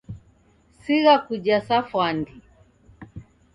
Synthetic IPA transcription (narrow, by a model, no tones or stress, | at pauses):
siɣakuʄasafwandi